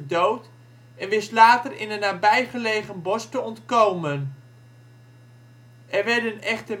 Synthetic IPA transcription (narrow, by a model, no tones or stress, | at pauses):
dowt | ɛnʋɪslaːtərɪnənːaːbɛjχəlejχənbɔstəɔntkowmən | ɛɹʋɛɹdənɛχtə